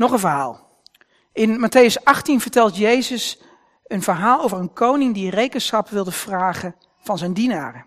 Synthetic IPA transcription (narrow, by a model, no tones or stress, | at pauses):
nɔχənvəɹɦa̰ːlˠ | ɪnmatejəsɑχtinvəɹtɛlˠtjejzəs | ənv̥əɹɦaːlˠowvəɹənkownɪŋdirejkənsχɑpʋɪlˠdəv̥raːχən | v̥ɑnzɛjndina̰ːrə